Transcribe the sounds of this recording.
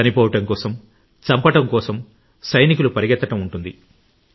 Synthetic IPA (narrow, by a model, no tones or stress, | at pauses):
ɐnipɔːʋɐʈɐŋkɔːsɐm | t͡ʃɐmpɐʈɐmkɔːsɐm | sɐjnikulupɐɾiɡɛt̪ːɐʈɐmuɳʈund̪i